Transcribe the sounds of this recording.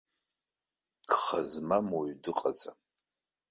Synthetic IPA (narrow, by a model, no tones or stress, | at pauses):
kχazmamoɥdɨqʼat͡sʼa